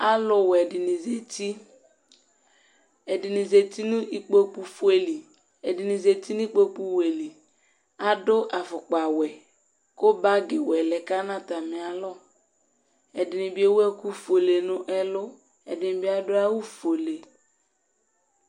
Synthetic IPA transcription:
a˦lʊ˨wɛ˨dɪ˨nɪ˨ze˨ti˦ | ɛ˨dɪ˨nɪ˨ze˨t̪i˦nʊ̃˦i˦k͡po˦k͡pu˦fe˦li˨ | ɛ˨dɪ˨nɪ˨ze˨t̪i˦nʊ˦i˦k͡po˦k͡pu˦we˨li˨ | a˨dʊ˦ʔa˨fʊ˨k͡pa˨wɛ˨ | kʊ˦ba˦ɡɪ˨wɛ˨lɛ˨ka˦nã˦ta˨mɪ˨a˨lɔ˦ | ɛ˨dɪ˨nɪ˨bɪ˨˦e˦wu˦ɛ˦ku˦fo˨le˨nʊ̃˦ʔɛ˦lʊ˦ | ɛ̰˨dɪ˨nɪ˨bɪ˨˦a˨dʊ˦a˦wu˦fo˨le˨

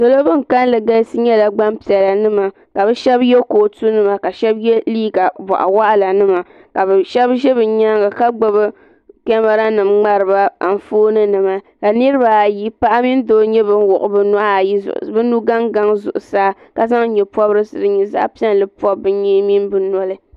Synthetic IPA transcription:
do˨lo˦bɨ˦ŋ˨ka˦n˦lɨ˨ɡa˦sɨ˦ɲɛ˦la˨ɡ͡ba˦mpi˨ɛ˨la˨nɨ˦ma˨ | ka˨bɛ˦ʃɛ˦bjɛ˦koː˨tu˦nɨ˨ma˨ka˨ʃɛ˦bjɛ˦liː˦ɡa˨ba̰˨ʔa̰˨wa˦ʔa˦la˨nɨ˦ma˨ | ka˨bɛ˨ʃɛ˦bʒɛ˦bɨ˨ɲa˦ŋɡa˨ka˦ɡ͡bo˨bɨ˦ | kɛ˦ma˦ɾa˦nɨ˨mŋ͡ma˦ɾɨ˨ba˦a˨n̩˨foː˦nɨ˦nɨ˨ma˨ | ka˨nɨ˦ɾɨ˦ba˨ji˦pa˦ʔa˦mi˦n˦doː˦ɲɛ˦bɨ˦n˦wʊ˨ʔʊ˨bɨ˨na˦˨ji˦z̰ʔbɨ˦nu˦ɡa˦ŋɡa˦ŋzʊ̰˨ʔʊ̰˨saː˦ | ka˨za˦ŋ˦ɲɛ˨pɔ˦bɾɨ˦sɨ˨dɨ˨ɲi˨za̰˦ʔpi˦ɛ˦n˨lɨ˦pɔ˦bːɨ˦ɲɛ˦mi˦n˦bɨ˦nɔ˦lɨ˦

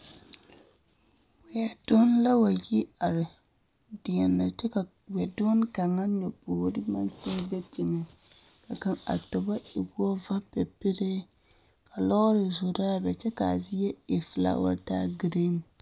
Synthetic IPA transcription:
wɪ˨a˨do˦n˦la˦wa˨ji˦a˨ɾɪ˨ | dɪ˨ɛ˨nːa˨t͡ʃɛ˦ka˨ | wɛ˨do˦n˦ka˨ŋa˦no˨poː˨˦dɪ˦ma˦nsi˦bɛ˦tɪ˨ŋɛ˨ | ka˨ka˨ŋa̰˨tɔ˨ba˦ɪ˨bu˦ɔ˦va˦pɛ˨pɪ˦ɾɪ˦ | ka˨lɔ˦ɣɔ˦ɾɪ˨zʊ˨da˦a˦bɛ˨t͡ʃɛ˦ka˨zi˦ɛ˦ɪ˨fla̰˦wa̰˨taː˦ɡi˦ɾe˦m

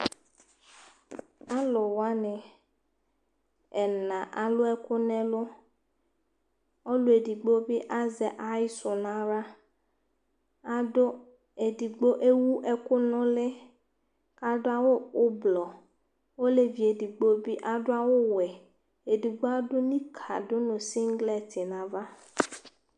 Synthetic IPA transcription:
a˦lʊ˨wa˦nɪ˨ | ɛ˨nã˨ʔa˨lʊ˦ɛ˦kʊ˦nɛ̃˦lʊ˦ | ɔ˦lʊ˦e˨di˨ɡ͡bo˦bɪ˦ʔa˦zɛ˨ʔa˦i˦sʊ˨nã˦ɾa˦ | a˨dʊ˦ | e˨di˨ɡ͡bo˦ʔe˦wu˦ʔɛ˦kʊ˦nʊ̃˦lɪ˦ | ka˦dʊ˦a˨wo˦ʊ˦blɔ˨ | wo˦le˦vi˨e˨di˨ɡ͡bo˦bi˦ʔa˨dʊ˦a˨wo˦wɛ˨ | e˨di˨ɡ͡bo˦a˦dʊ˦nĩ˦kʰa̰˨dʊ˦nʊ̃˨si˦ŋ˦ɡlɛ˦tʰɪ˨nã˨va˦

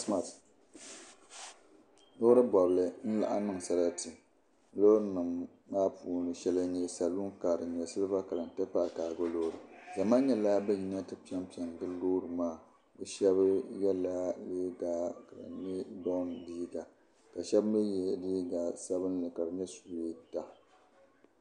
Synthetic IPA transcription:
sma˨t | noː˦ɾɨ˦bɔ˨blɨ˨n̩˦la̰˨ʔa˦nɨ˦ŋ˨sa˨ɾa˦tɨ˨˦ | lo˦ɾɨ˦nɨ˨mː | aː˦puː˨nɨ˨ʃɛ˦la˨ɲɛ˦sa˨lu˦ŋka˨ɾɨ˨ɲɛ˨sɨ˦lɨ˦ba˦ka˨lɨ˨n̩˨tɛ˦pa˦ʔkaː˨ɡo˦loː˦ɾɨ˨za˨maː˦ɲɛ˦la˦bɛ˦ji˦na˦tɨ˦pi˦ɛ˦mpi˨ɛ˨ŋ˨dɨ˦loː˦ɾɨ˨maː˦˨ | bɨ˦ʃɛ˦bjɛ˦la˦leː˦ɡaː˦ka̰˨mɛ˦bɔ˦n˨diː˦ɡa˨ | ka˨ʃɛ˦bmɛ˦jɛ˨˦diː˦ɡa˨sa˦bɨ˦nlɨ˨ka˨ɾɨ˨ɲɛ˦su˨e˦ta˨

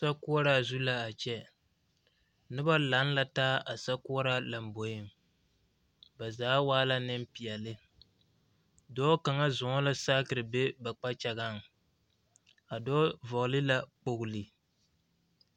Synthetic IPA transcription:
sa˦ku˦ɔ˦ɾa˦zu˦la˦a˨t͡ʃɛ˦ | nɨ˦ba˦la˨˦n˦la˦taː˦a˨sa˦ku˦ɔ˦ɾa˦la˨m˨bo˨jɪ˦˨m | ba˨zaː˨˦waː˦la˦nɨ˦m˦pi˨ɛ˨lɨ˦ | dɔː˦ka˨ŋa˦zʊ˨ŋɔ˦la˦saː˦kɨ˨ɾɨ˨be˦ba˨k͡pa˦t͡ʃɛ˨ɡa˦˨ŋ˨ | a˨dɔː˦vɔ˨ɣlɨ˦la˦k͡po˦ɡʊ˨lɨ˨

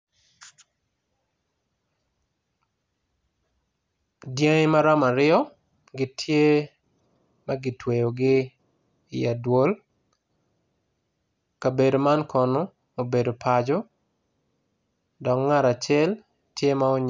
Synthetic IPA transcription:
dje˦ŋ˦ma˦ɾɔ˦ma˨ɾɪɔ˦ | ɡɪ˦tʰje˦ | ma˦ɡɪ˨twe˨jo˨ɡɪː˦˨ | a˨dwo˦l | ka˨be˨do˨ma˦nkɔ˨no˦ | o˨be˨do˨pʰa˨d͡ʒo˦ | dɔ˨kŋa˦ɾa˨t͡ʃɛ˦l | tje˦ma˦o˦ɲ

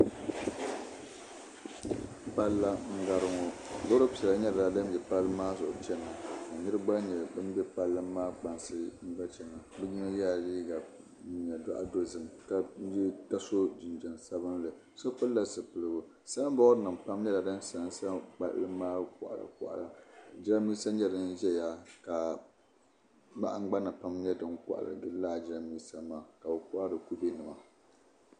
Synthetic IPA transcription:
pa˦lːa˦ŋ̩˦ɡa˦ɾɨ˦ŋo˦˨zo˦ɾo˦pi˨a˨˦ɲɛ˦ɾa˨da˦m˦jɛ˨pa˦lːɨ˦maː˦zʊ˨ʔʊ̰˨t͡ʃɛ˦na˨a˨ɲɨ˦ɾɨ˦ɡ͡ba˦ɲɛ˨bɨ˦m˦bɛ˦pa˦lːɨ˦mː˦aː˦k͡pa˨nsɨ˦ŋ̩˦ɡ͡ba˦t͡ʃɛ˨ŋa˨bɨ˦ɲi˦no˦ja˦˨liː˦ɡa˨ | ɲɛ˨dɔ˦ʔa̰˨do˦zɨ˨mka˦ta˦so˦d͡ʒi˨nd͡ʒa˨nsa˦bɨ˦nlɨ˨ | so˦kʊ˦lla˨sɨ˨pɨ˨lɨ˨bʊ˦ | sa˦lbɔ˦nɨ˨m˨pa˦m˦ɲɛ˦la˨dɨ˦nsa˨˦sa˦k͡pa̰˦ʔlɨ˦maː˦kʊ̰˨ʔa̰˨la̰˨kʊ̰˨ʔa̰˨la˨d͡ʒla˦mi˦sa˦ɲɛ˦dɨ˦nʒɛ˦ja˦ka˨ | ba̰˦ʔa˦ŋ͡m̩˦ɡ͡ba˦na˨pa˦mɲɛ˦dɨ˦ŋkʊ̰˦ʔa̰˨ɾɨ̰˨ɡɨ˦laː˦˨d͡ʒa˦miː˦sa˦maː˦˨ka˨bɨ˨kʊ˦ʔa˦dɨ˨ku˦bi˦nɨ˨ma˨

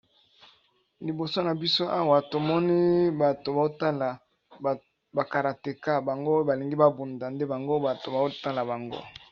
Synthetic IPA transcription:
li˨bo˨so˦na˨bi˦so˦ʔa˦wa˨to˨mɔ˦ni˦ba˨to˨ba˨o˦ta˦la˨ | ba˨ka˨ɾa˨te˨ka˦ba˨ŋɡo˦ba˨li˨ŋɡi˦ba˦bu˨nda˨nde˦ba˨ŋɡo˦ba˨to˨ba˨o˦ta˦la˨ba˨ŋɡo̰˦

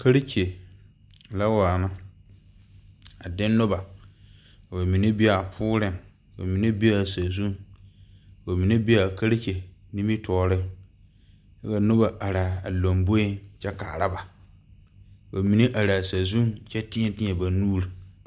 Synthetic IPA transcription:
kʰa˦ɾe˦t͡ʃe˨ | la˦waː˨ma˦ | a˨dɪ̃˦nː˦ʊ˦ba˨ | ka˨ba˨mi˨ne˦bi˦a˨a˨pʰʊː˦ɾɪ˦ŋ˨ | ba̰˨mi˨ne˦bi˦a˦˨sa˨zu˦ŋ˨ | ba˨mi˨ne˦bi˦a˨ka˦ɾe˦ke˨ni˦mi˦tʰɔː˦ɾɪ˦ŋ | ka˦ka˨nʊ˦ba˨ʔa˨ɾa˨a˨lo˨mbo˦i˦t͡ʃɛ˦kaː˨ɾa˦ba˨ | ba˨mi˨ne˦ʔa˨ɾaː˨sa˨zũ˦ŋt͡ʃɛ˦tɪ̃˦ɛ˦tɪ̃˦ɛ˨ba˨nuː˦ɾi˨

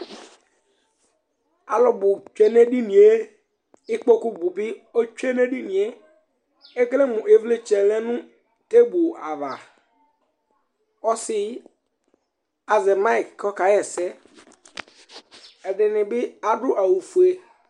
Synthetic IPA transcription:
a̰˨lɔ˨bʊ˨t͡ʃɛ˨ne˦di˦nĩ˨e˦ | ɪ˦k͡po˦ku˦bu˨bɪ˦o˦t͡ʃe˦ne˦di˦nĩ˨e˦ | e˦klɛ˦mʊ̃˨ʔe˨vle˦t͡ʃɛ˨lɛ˦nʊ̃˦ | te˦bu˨a˨va˨ | ɔ˦sɪ˦ | a˨zɛ˨ma˦˨kkʰɔ˦ka˨jɛ˨sɛ˦ | ɛ˨dɪ˨nɪ̃˨bɪ˦a˨dʊ˦ʔa˨wu˨fu˨e˦

